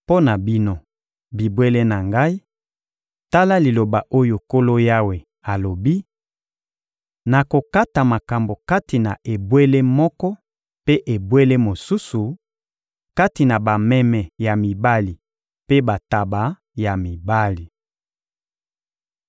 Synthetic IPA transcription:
po˦na˨bi˦no˦ | bi˨bwe˦le˦na˨ŋɡa˦i˦ | ta˦la˦li˨lo˨ba˨ʔo˦jo˨ko˦lo˦ja˦we˨ | a˨lo˨bi˦ | na˨ko˨ka˦ta˨ma˨ka˨mbo˨ka˦ti˨na˨ʔe˨bwe˦le˦mɔ˦kɔ˦ | pe˦ʔe˨bwe˦le˦mo˨su˦su˨ | ka˦ti˨na˨ba˨mɛ˦mɛ˨ja˨mi˨ba˦li˨ | pe˦ba˨ta˨ba˨˦ | ja˨mi˨ba˦li˨

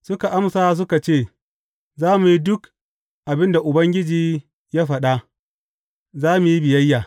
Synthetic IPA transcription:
sʊ˦ka˨ʔa˦msa˦s̬ʊ˦ka˨t͡ʃeː˦˨ | zaː˦mu˨ji˦dʊ˦k | ʔa˨bɪ˦nda˨ʔʊ˨bɐ˦ŋɡʲɪ˦d͡ʒiː˦ | ja˦ɸɐ˨ɗa˦ | zaː˦mu˨ji˦bɪ˨jɐ˦jːa˨

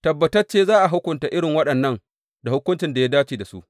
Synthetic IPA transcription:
tɐ˨bːɐ˨tɐ˦rt͡ʃeː˦zaː˦ʔa˨ɦʊ˦kʷʊ˨nta˨ʔɪ˦ɽɪ˨ŋwɐ˦ɗɐ˨nːɐ˦ŋ | da˨hʊ˦kʷʊ˦nt͡ʃɪ˨nda˨jaː˦daː˦t͡ʃiː˨da˨sṵ˦ʔ

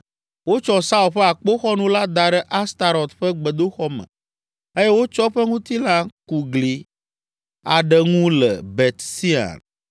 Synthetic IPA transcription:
wo˦t͡ʃɔ˦sa˦u˨lɸɛ˦a˨k͡po˦xɔ˦nũ˦la˦d̪a˨ɖɛ˦ʔa˦st̪a˨ɾɔ˨t̪ɸɛ˦ɡ͡bɛ˨d̪o˦xɔ˦mɛ̰̃˨ | e˦je˦wo˦t͡ʃɔ˦ɸɛ˦ŋũ˦t̪i˦lã˦ku˨ɡli˨ | a̰˨ɖɛ˨ŋũ˦lɛ̰˨be˨t̪si˦a̰˨n

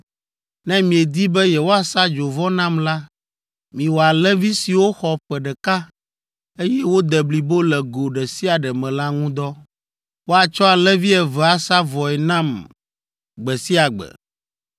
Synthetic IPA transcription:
nɛ̃˦mĩ˨ɛ˨d̪i˦bɛ˦jɛ˨wo˦a˨sa˦d͡ʒo˨vɔ˦nã˦mla˦ | mĩ˨wo˨a˨lɛ˦vi˦si˨wo˦xɔ˨ɸɛ˨ɖɛ˨ka˦ | e˦jɛ˦wo˦d̪ɛ˨bli˨bo˦lɛ˨ɡo˨ɖɛ˨si˦a˨ɖɛ˨mɛ̃˨la˦ŋũ˦d̪ɔ˦ | wo˦a˨t͡ʃɔ˦a˨lɛ˦vi˦ɛ˨vɛ˨a˨sa˦vɔ˨ɛ˨nã˦m | ɡ͡bɛ˨si˦a˨ɡ͡bɛ̰˨

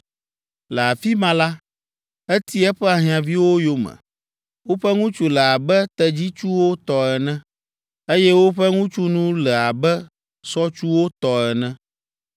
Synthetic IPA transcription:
lɛ˨a˨fi˦mã˦la˦ | e˦t̪i˦ɛ˦ɸɛ˦a˨ɦĩ˨ã˨vi˦wo˦jo˦mɛ̰̃˨ | wo˦ɸɛ˦ŋũ˦t͡ʃu˨lɛ˨a˨bɛ˦t̪ɛ˦d͡ʑi˦t͡ʃu˦wo˦t̪ɔ˨ɛ˨nɛ̃˦ | e˦jɛ˦wo˦ɸɛ˦ŋũ˦t͡ʃu˦nũ˦lɛ˨a˨bɛ˦ | sɔ˦t͡ʃu˦wo˦t̪ɔ˨ɛ˨nɛ̃˦

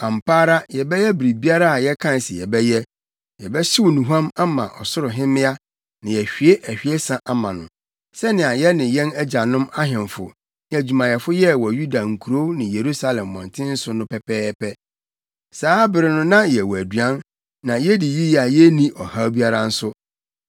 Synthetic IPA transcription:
ã˨m˨pʰaː˦ɾa˦jɛ˨bɛ˦jɛ˦bɾi˨bi˦a˦ɾa˦a˨jɛ˦kʰã˦n˨sɪ˨jɛ̰˨bɛ˦jɛ˦ | jɛ˨bɛ˦ɕɪ˦wʊ˨nũ˨ɦã˦ma˦mã̰˨ʔɔ̰˨sʊ˦ɾʊ˨ɦɪ̃˦mɪ̃˦a˦ | nɪ̃˨jɛ˨ɕᶣi˨e˦ʔæ˨hᶣi˨e˦sã˦ʔa˦mã˨nʊ̰̃˨ | sɛ˦nɪ̃˨a˨jɛ˦nɪ̃˨jɛ̃˦nɛ˦d͡ʑa˨nʊ̃˦ma˦ɦɪ̃˨mfʊ̰˨ | n˦æ˨d͡ʑᶣu˨mã˨jɛ˨fʊ˦jɛ˦wɔ˨ju˦da˨ŋ̩˨kʰu˨ɾo˦nɪ̃˨je˨ɾu˦sa˦lɛ̃˨mːɔ̰̃˨ntʰɪ̃˦n̩˦sʊ˦nʊ̃˦pʰɛ˨pʰɛː˦pʰɛ˦ | saː˦bɪ˨ɾɪ˨nʊ̃˦nã˦jɛ˨wæ˨dɥã˦n | nã˨jɛ˦di˨ji˦ja˨jɛ˦nĩ˦ʔɔ˨ha˦bi˦a˦ɾa˦n̩˦sʊ˦

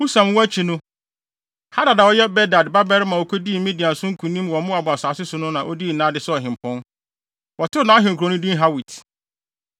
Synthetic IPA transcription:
hu˦sã˨m˦wɔ˦æ˦t͡ɕʰi˨nʊ̃˦ | ha˦da˨da˨wɔ˦jɛ˦bɛ˦da˨dba˦bɛ˦ɾmã˨wo˨kʰo˦di˦˨˦mĩ˦di˨ã˨sʊ̃˦ŋ̩˦kʰũ˨nĩ˦mwɔ̃˨˦mʊ̃˦a˨bʊ˨a˨saː˨sɪ˦sʊ˨nʊ̃˦nã˨ʔɔ˦di˦˨nã˦dɪ˨˦sɔ˦ɔ˨ɦɪ̃˨m̩˨pʰɔ̃˦n | wɔ˨tʰʊ˦nã˨˦ɦɪ̃˨ŋ̩˨kʰɾo˨nʊ̃˦dĩ˦n˦ɦa˦wi˨tʰ

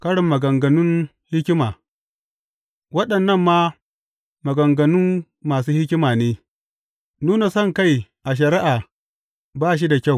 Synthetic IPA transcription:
kɐ˦ɽɪ˨mːɐ˨ɡɐ˨ŋɡɐ˨nʊ˦n | hɪ˦kʲɪ˦maː˨ | wɐ˦ɗɐ˨nːɐ˦˨mːaː˦ | mɐ˨ɡɐ˨ŋɡɐ˨nʊ˦mː | aː˨s̬uː˦hɪ˦kʲɪ˦maː˨neː˦ | nuː˦na˨sɐ˦˨ŋka˦˨jʔa˨ʃ̬ɐ˨ɾɪ˦ʔaː˨ | baː˦ʃ̬i˦da˨kʲa˦˨w

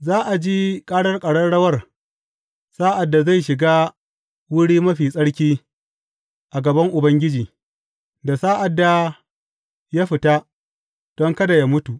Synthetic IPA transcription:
zaː˦ʔa˨d͡ʒi˦kʼaː˦ɽɐ˦rkʼɐ˨ɽɐ˦ɽɐ˦wɐ˦˨r | saː˦ʔa˨dːa˨za˦˨jʃɪ˨ɡaː˦ | wʊ˦ɽiː˦mɐ˦ɸiː˨sʼɐ˦ɽkʲiː˦ | ʔa˨ɡɐ˨bɐ˦ŋʔʊ˨bɐ˦ŋɡʲɪ˦d͡ʒiː˨ | da˨saː˦ʔa˨dːa˨ | ja˦ɸɪ˨ta˦ | d̥ɔ˦ŋkɐ˦da˨ja˦mʊ˦tu˨ʔ

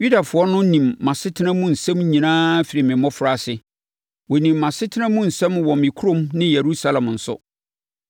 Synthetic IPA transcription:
ju˦da˨fʊ˨˦ɔ˦nʊ̃˦nĩ˨mːã˨sɪ˦tʰɪ˦nã˦mũ˦n̩˨sɛ̃˦mɲĩ˨nãː˦fi˨ɾɪ˨mɪ̃˨mɔ̃˦fʊ˨ɾa˨sɪ˨ | wɔ˨nĩ˨mːã˨sɪ˦tʰɪ˦nã˦mũ˦n̩˨sɛ̃˦mwɔ̃˨mɪ̃˨kʰu˦ɾõ˦mnɪ̃˦je˨ɾu˦sa˦lã˨mn̩˨sʊ̰˦

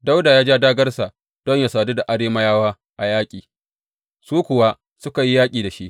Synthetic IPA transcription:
da˦wda˨jaː˦d͡ʒaː˦daː˦ɡɐ˦rsa˨ | d̥ɔ˦ɲja˨saː˨du˦da˨ʔa˨ɽeː˦mɐ˦jaː˦waː˦ | ʔa˨jaː˦kʲʼiː˨ | suː˦kʷʊ˨wa˦ | sʊ˦ka˨ji˦jaː˦kʲʼiː˨da˨ʃi˦ʔ

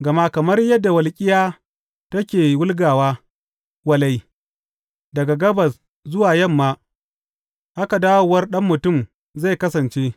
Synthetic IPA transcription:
ɡɐ˨ma˦kɐ˨mɐ˦rjɐ˦dːa˨wɐ˨lkʲʼɪ˦jaː˦ | tɐ˦kʲeː˨wʊ˦lɡaː˨waː˦ | wɐ˦la˦j | dɐ˨ɡa˨ɡɐ˦bɐ˨s | zʊ˦waː˨jɐ˦˨mːaː˦ | ʔa˦ka˨daː˦wʊ˨wɐ˦rɗɐ˦mːʊ˨tʊ˦˨m | za˦˨jkɐ˦sɐ˨nt͡ʃeː˦

